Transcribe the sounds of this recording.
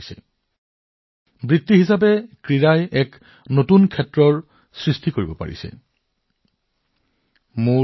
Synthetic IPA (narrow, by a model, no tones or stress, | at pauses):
sɛ̰ | bɹitːiɦisap̬ɛkɹiɹajɛk | notunkʰɛtɹɔɹ | sɹistikoɹibɔpa̰ɹḭsɛ̰ | mu